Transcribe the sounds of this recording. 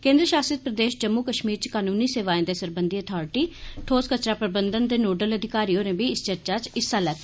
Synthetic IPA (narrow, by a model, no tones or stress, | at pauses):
kẽːnd̪ɾəʃaːsɪt̪̚pɾəd̪eːʃd͡ʒəmːuːkəʃmiːɾt͡ʃkaːnuːniːseːʋaːẽːd̪eːsəɾbənd̪iːət̪ʰɔːɾɪʈiːʈʰoːskət͡ʃɾaːpɾəbənd̪ənd̪eːnoːɖələd̪ʱɪkaːɾiːõːɾẽːbiːɪst͡ʃəɾt͡ʃaːt͡ʃɪsːaːlɛːk̚ː